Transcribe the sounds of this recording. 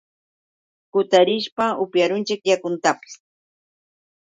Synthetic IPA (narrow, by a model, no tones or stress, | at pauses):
kʊt̪aɾɪʃpaʊpjaɾʊnt͡ʃɪkjakʊnt̪apɪ̥s